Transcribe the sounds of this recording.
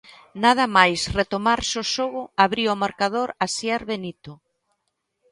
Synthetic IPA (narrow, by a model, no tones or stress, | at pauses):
nað̞ɐmajsret̪omaɾsoʃoɣʊaβɾiomaɾkað̞oɾasjaɾβenit̪ʊ